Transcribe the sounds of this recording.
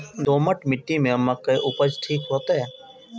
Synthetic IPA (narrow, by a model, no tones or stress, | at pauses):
d̪oːməʈmɪʈːimẽəmːəkːeʔʊpəd͡ʒʈʰiːkɦoːt̪ɦɛ